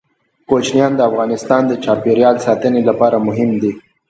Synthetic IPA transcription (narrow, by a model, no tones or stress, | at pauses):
kot͡ʃnjɑnd̪əafɣɑnɪst̪ɑnd̪ət͡ʃɑpeɾjɑlsɑt̪ənelapɑɾamʊɦɪmd̪i